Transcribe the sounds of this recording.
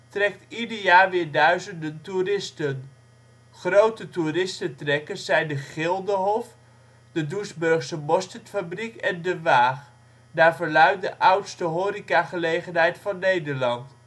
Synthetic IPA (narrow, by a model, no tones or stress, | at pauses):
trɛk̚tidəɹjaːɹʋɪːɹdœɥzəndənturɪstən | χrowtəturɪstətrɛkəsɛjndəχɪlˠdəɦɔf | d̥ədusbɵɹχsəmɔstətfabrikɛndəʋaːχ | daːɹvəɹlœɥ̚dəʔœwtstəɦoːɾikaχəlejχənɦɛjtfɑnːejdəɹlɑnt